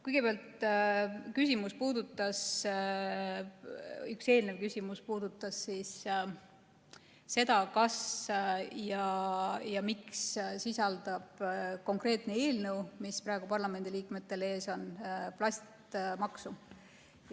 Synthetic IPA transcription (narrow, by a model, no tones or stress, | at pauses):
kujɡ̥e̞peɑlt̪ | kysʲimuspuːd̪̥ut̪ːˑɑs | ykse̞ːlnevkysʲimuspuːd̪̥ut̪ˑːɑsːis | se̞d̪ɑkɑs | jɑjɑmikssisɑld̪̥ɑb̥ko̞ŋkre̞ːt̪ˑnee̞ːlnəwmispɾɑˑe̞ɡ̥upɑrlɑme̞nd̪iliːkme̞t̪ːe̞le̞ːso̞nplɑsʲt̪mɑksu